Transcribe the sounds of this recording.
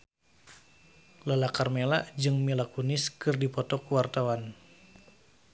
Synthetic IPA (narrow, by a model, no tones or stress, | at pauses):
lalakarmela̰ʔd͡ʒɨŋmilakunɪskɨrdipɔt̪ɔkuwart̪awan